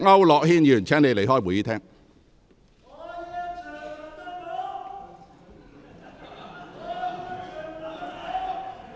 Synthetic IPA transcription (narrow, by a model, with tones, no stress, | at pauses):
ŋɐ˥wlɔː˨k̚hiː˥njyː˨˩nt͡sʰɛː˥ŋne˨˧jle˨jɦɔː˥˩wuː˨˧jiː˥t̪ʰɛː˥ŋ